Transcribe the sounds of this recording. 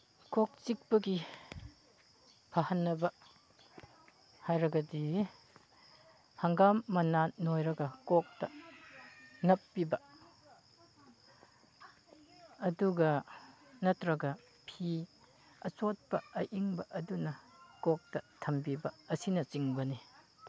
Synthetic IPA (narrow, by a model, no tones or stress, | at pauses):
kok̚t͡ʃik̚pɐɡi | pʰahɐnːɐbɐ | hajɾɐɡɐdi | hɐŋɡamːɐnanojɾɐɡɐkok̚tɐ | nɐpːibɐ | duɡɐ | nɐtɾɐɡɐ | pʰi | ɐt͡ʃot̚pɐɐʔiŋbɐʔɐdunɐkok̚tɐtʰɐmbibɐɐsinɐt͡ʃiŋbɐni